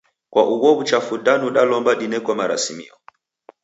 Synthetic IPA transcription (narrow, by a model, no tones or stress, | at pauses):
kwaʔuwɔβut͡ʃafudanuɗalɔmbadinɛkwamaɾa̰simḭɔ̰